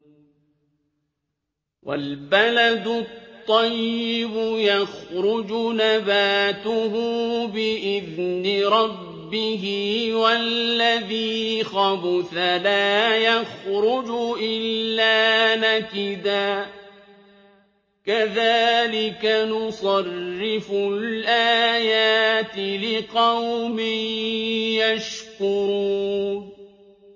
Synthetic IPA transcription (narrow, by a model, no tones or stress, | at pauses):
wʔa̰lbalad̪ʊtt̪ˤːɑjːɪbʊjaxɾʊd͡ʒʊnabaːt̪ʊhʊbɪʔɪðnɪɾˤɑbːɪɦɪwalːaðiːxɑbʊθalaːjaxɾʊd͡ʒʊʔɪlːaːnakɪd̪aː | kaðaːlɪkanʊsˤɑrːɪfʊlʔaːjaːt̪ɪlɪqɑwmɪjjaʃkʊɾuːn